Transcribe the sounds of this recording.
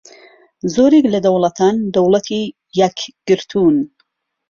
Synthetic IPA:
zoːɾeklɐd̪ɐwlˠɐt̪ʰaːnd̪ɐwlˠɐt̪ʰi | jɐkɡ̥ɨɾt̪ʰun

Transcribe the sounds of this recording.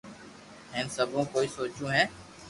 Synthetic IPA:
ɦẽːnsəbʱõːkoːiːsoːt͡ʃũːɦɛː

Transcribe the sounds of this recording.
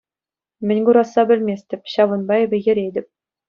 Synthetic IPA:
mʲɘ̆nʲɡuɾɑsːɑbʲɘ̆lʲmʲesʲtʲɘ̆pʲɕɑʋɤ̆nbɑebʲɘ̆jɘ̆ɾʲedʲɘ̆p̚ʲ

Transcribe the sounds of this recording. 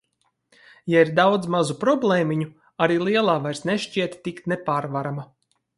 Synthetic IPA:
jaiɾd̪awd̪zmazupɾɔblˠeːmʲiɲu | aɾiːlˠiɛlˠaːvajɾsneʃt͡ʃiɛt̪ʲːikt̪nepaːɾvaɾama

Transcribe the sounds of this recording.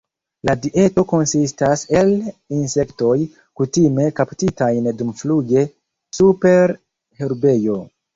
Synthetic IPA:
ladiʔe̞to̞ko̞nsistase̞linse̞kto̞j | kutime̞kaptitajndumfluɡe̞ | supe̞ɾ | heɾbe̞jo̞

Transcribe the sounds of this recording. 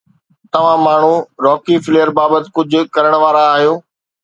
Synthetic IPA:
t̪ɐʋ̤ãmaːɳ̤uɾɔːkifɪleːəɾbaːbət̪ɪ̥̆kʊd͡ʑʱʊ̆kɐɾəɽ̃ʋaːɾaːɦijoː

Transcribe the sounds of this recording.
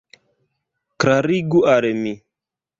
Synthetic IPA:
kɾaɾiɡuʔaɾemi

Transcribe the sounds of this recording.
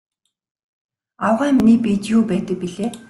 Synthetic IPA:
awʁæːmnipit̪jupæːt̪ə̆k̚piɮeː

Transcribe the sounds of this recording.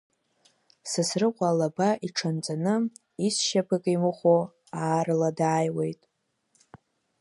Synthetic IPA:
sɨsrɨqʷʼalabaʔiʈ͡ʂʰant͡sʼanɨ | isʃapʰɨkʼimɨχʷo | aːrladaːjwe̞jtʼ

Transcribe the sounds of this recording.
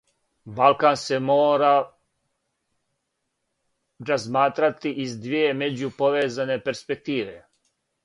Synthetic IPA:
balkanse̞moːɾa | ɾazmaːt̪ɾat̪iʔizd̪ʋijeme̞d͡ʑupo̞ʋeːzane̞pe̞ɾspe̞k̚t̪iːʋḛ

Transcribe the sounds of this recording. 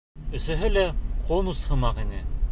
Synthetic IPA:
ɵ̆sɘ̆ɦɘlæqʰonushɤ̆mɑqinɘ

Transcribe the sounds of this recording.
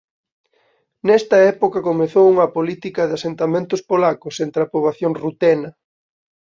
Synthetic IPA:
nɛst̪ɐɛpokɐkomeθowuŋɐpolit̪ikɐðeasent̪amẽnt̪ʊspolakʊsent̪ɾɐpoβaθjoŋrut̪ɛnɐ

